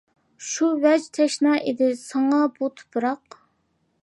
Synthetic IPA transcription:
ʃuwɛd͡ʒt̪ʰɛʃnɑʔed̪ɪsɑŋɑbut̪ʰɨ̥pʰɨɾɑq

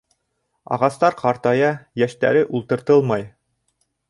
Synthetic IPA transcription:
ɑ̰ʁɑst̪ɑɾqɑɾt̪ɑjɑjæʃt̪æ̰ɾɘʔulˠt̪ɤ̆ɾt̪ɤlˠmɑj

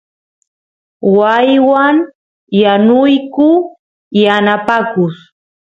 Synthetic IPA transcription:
wajwaŋ | janʊjkʊ | janapakʊs

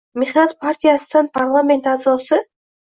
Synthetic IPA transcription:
meχnat̪pʰart̪ʲijasɨnɨnpʰarlˠamʲe̞nt̪azɔsɨ

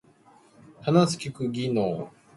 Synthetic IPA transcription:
hanasɨ̥kʲikɯ̟ɡʲinoː

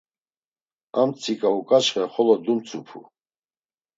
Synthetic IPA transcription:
amt͡sʰikʼaukʼaʃχɛχɔlɔd̪umt͡sʰʼupʰṵ

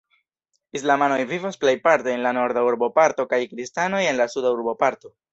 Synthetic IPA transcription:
islamano̞jvivosplejpaɾteːnlano̞ɾd̪auɾobo̞paɾto̞kajkɾistano̞je̞nlasudauɾobo̞paɾto̞

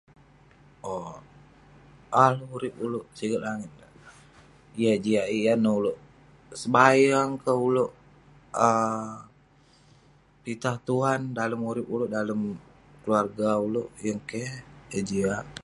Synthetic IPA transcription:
o | aluuɾɪpuloʔsiɡəʔlaŋɪt̪̚a | ijad͡ʒiaʔijanouloʔ | səbajaŋkəuloʔ | ə | pit̪aht̪uɦandaləmuɾɪpuloʔdaləm | kəluarɡauloʔjəŋkejad͡ʒiaʔ

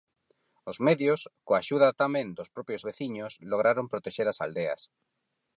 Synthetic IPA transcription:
ozmeðjoskoaʃuðɐt̪amẽnd̪ospɾɔpjozβeθiɲosloɣɾaɾompɾot̪eʃeɾasa̰ld̪ea̰s

